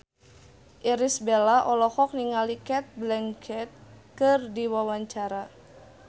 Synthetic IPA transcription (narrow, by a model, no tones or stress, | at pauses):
ʔiɾisbelaʔɔlɔhɔk̚niŋalikɛt̪̚blɛŋkʰɛt̪̚kɨrdiwawaɲt͡ʃaɾa